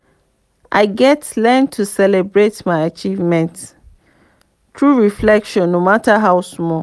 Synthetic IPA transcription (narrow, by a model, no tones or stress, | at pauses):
ʔa̰ɪɡɛtlɛ̃ntʰːusɛlɛbɹetmaɪat͡ʃivmɛ̃nt | t̪ʰɹuɹiflɛkʃɔ̃nːomatʰaɦaʊsmɔ